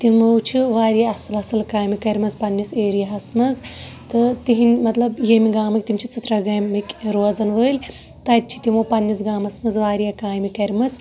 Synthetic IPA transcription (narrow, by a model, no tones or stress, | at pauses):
t̪imowt͡ʃʰiʋaːɾjaɐsɨlɐsɨlkaːjmikɐɾʲmɐzpɐnʲːiseːɾijaɦɐsmɐz | t̪ɨt̪iɦinʲmɐt̪lɐbjemiɡaːmɨk̚ʲt̪imt͡ʃʰit͡sɐt̪ɾɐɡɐːɨkʲɾoːzɐnʋəːlʲ | t̪aːt̪̚ʲt͡ʃʰi̥t̪imowpɐnʲːisɡaːmɐsmɐzʋaːɾijakaːjmikɐɾʲmɐt͡s